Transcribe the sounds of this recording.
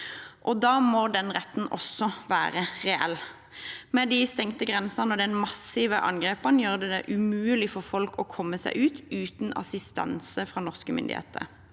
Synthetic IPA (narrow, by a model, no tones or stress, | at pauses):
ʔɔd̪ɑːmoːd̪ɛnʁɛt̪n̩ʔɔ̰sːɔʋæ̰ːʁəʁɛʔɛ̰lː | mɛd̪ɪst̪ɛŋt̪əɡʁɛnsənɔd̪ɛnmɑsɪʋəʔɑ̰ŋɡʁeːpəʁnjøːʁd̪ɛd̪ɛ̰ʔʉmʉːəlɪfɔfɔlkʰɔkʰɔmːəsæ̰ɪʔʉːt̪ʉːt̪nɑ̰sɪst̪ɑ̰nsəfʁɑːnɔʁskəmʏ̰nd̪ɪ̰hḛːt̪ʰə̰ʁ